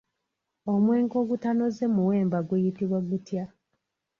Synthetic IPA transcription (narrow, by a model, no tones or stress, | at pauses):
omwe̞ːŋɡoɡutano̞zemuweːmbaɡwejitiβwaɡutja